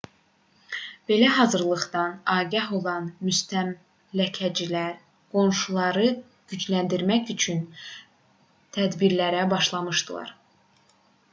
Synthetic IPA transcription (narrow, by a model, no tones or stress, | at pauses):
b̥e̞læɦɑzɯɾlˠɯɣd̪ɑnɑːɡɑɦo̞lˠɑnmyst̪ʰæm | læcʰæd͡ʒilæɾ | ɡ̥o̞nʃulˠɑɾɯ | ɟ̥yd͡ʒlænd̪iɾmæcyt͡ʃʰyn | t̪ʰæd̪biɾlæɾæbɑʃlˠɑmɯʃd̪̥ɯlˠɑ̰ɾ